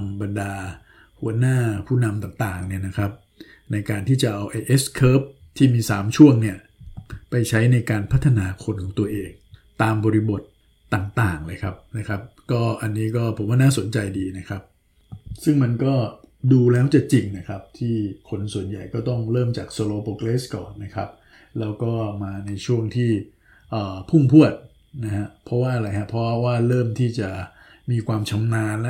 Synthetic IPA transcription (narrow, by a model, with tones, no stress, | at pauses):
ŋba˧ndaː˧ | hu˩˦ənaː˥˩pʰuː˥˩na˧mt̪aː˨˩ŋt̪aː˨˩ŋni˥˩ɐna˦˥kʰɾa˦˥p̚ | na˧jkaː˧nt̪ʰiː˥˩t͡ɕa˨˩ʔa˧wʔa˧jʔe˦˥skʰɤː˦˥p̚t̪ʰiː˥˩miː˧saː˩˦mt͡ɕʰu˥˩əŋni˥˩ɐ | pa˧jt͡ɕʰa˦˥jna˧jkaː˧npʰa˦˥t̪ʰːa˧naː˧kʰo˧nkʰɔː˩˦ŋt̪u˧ɐʔeː˧ŋt̪aː˧mbɔː˧ɾi˦˥bo˨˩t̪̚ː | aː˨˩ŋt̪aː˨˩ŋlɤː˧jkʰa˦˥p̚na˦˥kʰa˦˥p̚kɔː˥˩ʔa˧nːiː˦˥kɔː˥˩pʰo˩˦mwaː˥˩naː˥˩so˩˦nt͡ɕa˧jdiː˧na˦˥kʰa˦˥p̚ | sɯ˥˩ŋma˧nkɔː˥˩duː˧lɛː˦˥wt͡ɕa˨˩t͡ɕi˧ŋna˦˥kʰa˦˥p̚t̪ʰiː˥˩kʰo˧nsu˨˩ənja˨˩jkɔː˥˩t̪ɔ˥˩ŋɾɤː˥˩mt͡ɕaː˨˩k̚so˧loː˧po˧kleː˦˥skɔ̰ː˨˩nːa˦˥kʰa˦˥p̚ | lɛː˦˥wkɔː˥˩maː˧na˧jt͡ɕʰu˥˩əŋt̪ʰiː˥˩ | ʔəː˨˩pʰu˥˩ŋpʰu˥˩ət̪̚ | na˦˥kʰa˦˥pʰɾɔ˦˥waː˥˩ʔa˧ɾa˧jkʰa˦˥pʰɾɔ˦˥˧waː˥˩ɾɤː˥˩mt̪ʰiː˥˩t͡ɕa˨˩ | miː˧kʰwaː˧mt͡ɕʰa˧˥mnaː˧nl